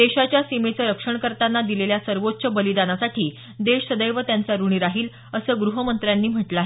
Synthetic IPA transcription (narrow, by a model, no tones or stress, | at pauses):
eɕat͡ɕjasimet͡səːɾəkʂəɳkəɾt̪anːad̪ileljasəɾʋot̪ːɕəbəlid̪anasaʈʰiː | d̪eʂsəd̪əjʋət̪jant͡saɾuɳ̃iːɾaɦiːl | əsəːɡɾuɦəmənt̪ɾjanːiːm̤əʈlaɦe